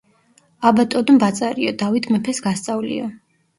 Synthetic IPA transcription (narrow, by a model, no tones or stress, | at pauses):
abat̪ʼɔd̪mbat̪sʼaɾiɔd̪avit̪ʰmɛpʰɛsɡast̪sʼavlḭɔ